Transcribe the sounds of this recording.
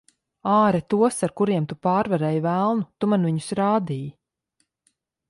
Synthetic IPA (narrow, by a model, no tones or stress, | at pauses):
aːɾɛt̪uɔsaɾkuɾiɛmt̪upaːɾvaɾɛːjvælˠnut̪umanviɲu̥sɾaːd̪iːj